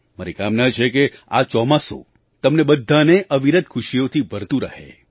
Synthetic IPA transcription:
məɾikamnat͡ʃʰekea̰t͡ʃɔmaso̰ | t̪əmnebəd̪ʱːaneʔəʋiɾət̪̚kʰʊʃijot̪ʰibʱəɾt̪ũɾə̰ɦḛ

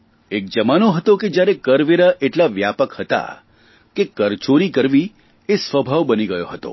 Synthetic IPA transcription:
ek̚d͡ʒəmanoɦət̪oked͡ʒjaɾekəɾʋeɾaʔeʈlaʋjapəkhət̪a̰ | kekəɾt͡ʃoɾikəɾʋi | esʋəbʱaʋbəniɡəjoɦət̪o̰

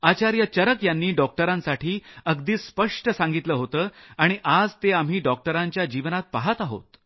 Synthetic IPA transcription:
at͡ɕaɾjət͡ɕəɾəkjanːiːɖɔk̚ʈəɾãnsaʈʰiːəɡd̪iːspəʂʈəsãŋɡit̪ləːɦot̪əːaɽ̃iʔad͡zt̪eam̤iːɖɔk̚ʈəɾãɲt͡ɕjad͡ʑiʋnat̪̚paɦət̪aɦo̰t̪

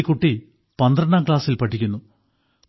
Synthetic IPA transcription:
ikːuʈːi | pɐnd̪rɐɳːaːmkɭaːsilpɐʈʰːikʲːunːu

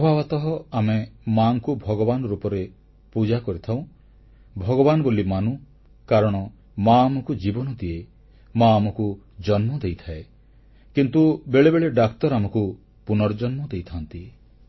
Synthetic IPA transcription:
pɔbʱabat̪ɔɦɔamemaŋkubʱɔɡɔbanɔɾupɔɾe | pud͡ʒakɔɾit̪ʰaw̃ | bʱɔɡɔbanɔbolimanu | kaɾɔɽ̃ɔ | maːmɔkud͡ʒibɔnɔd̪ie | maːmɔku | d͡ʒɔnmɔd̪ejt̪ʰae | kint̪ubeɭebeɭeɖakt̪ɔɾamɔku | punɔɾd͡ʒɔnmɔd̪ejt̪ʰant̪i

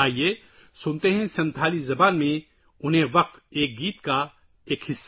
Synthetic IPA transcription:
aːɦieː | sʊnt̪eɦɛ̃sɐ̃nt̪ʰaːlizɐbaːnmẽ | ʊnɦẽʋɐq̚t̪eːk̚ɡiːt̪ka | eːkɦɪsː

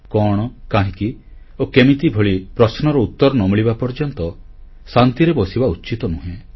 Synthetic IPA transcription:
kɔɽ̃ɔkaɦĩki | okemit̪ibʱoɭipɾɔsnɔɾɔut̪ːɔɾɔnɔmiɭibapɔɾd͡ʒɔnt̪ɔ | sant̪iɾebɔsibauːt͡ʃit̪ɔnuɦẽ

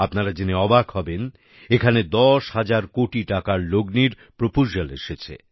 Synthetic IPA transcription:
apnaɾad͡ʑiniɔbakɦɔben | ekʰaned̪ɔʃhad͡ʑaɾkoʈiʈakaɾloɡniɾ | pɾopuʃalḛʃet͡ɕʰḛ

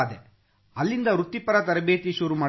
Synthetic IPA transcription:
d̪e | ɐlːind̪ɐɾut̪ːipɐɾɐt̪ɐɾɐbeːt̪iʃuːɾumaː

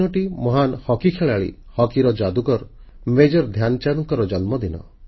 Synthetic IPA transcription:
ɔʈimɔɦanhɔkikʰeɭaɭḭ | hɔkiɾɔd͡ʒad̪ukɔɾ | med͡ʒɔɾd̪ʱjanɔt͡ʃaɾɔŋkɔɾɔd͡ʒɔnmɔd̪inɔ̰

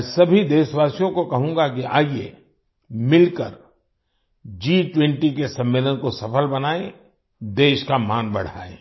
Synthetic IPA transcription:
sɐbʱid̪eːʃʋaːsijõkokɐɦũːɡakia̰ːiḛ | mɪlkəɾ | d͡ʒiːʈwɛ̃ɳʈikesɐ̃mːeːlənkosɐfəlbɐnaːe | d̪eːʃkamaːnbɐɽ̤a̰ːḛː

